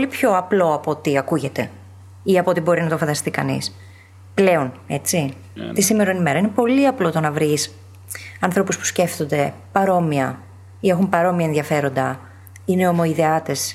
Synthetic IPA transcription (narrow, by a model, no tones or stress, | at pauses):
olipço̞ɐplo̞ɐpo̞t̪iɐkuʝe̞t̪e̞ | iɐpot̪ibo̞ɾinɐt̪o̞fɐnd̪ɐst̪ikɐnḭs | ple̞o̞ne̞t͡si | t̪isime̞ɾonime̞ɾɐinepo̞liɐplo̞t̪o̞nɐvɾis | ɐnθɾo̞puspu̥sce̞ft̪o̞nd̪e̞pɐɾo̞miɐ | ie̞xumpɐɾo̞miɐenðʝɐfe̞ɾo̞nd̪ɐ | ine̞o̞mo̞iðeɐt̪e̞s